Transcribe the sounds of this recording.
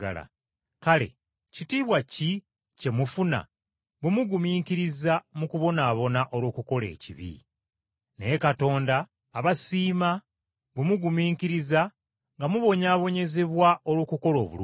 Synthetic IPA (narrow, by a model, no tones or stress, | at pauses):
a̰la̰ | kale̞̰ | citiːβwaci | ce̞mufuna̰ | βwemuɡumiːŋkiɾizamukuβo̞naːβo̞naʔo̞lwo̞ːkuko̞le̞̰ːcḭβḭ | neekato̞ːndaː | βasiːma | βemuɡumiːkiɾiza | ŋɡamuβo̞ɲaːβo̞ɲe̞ze̞βwao̞lwo̞ːkuko̞lo̞̰ːβṵl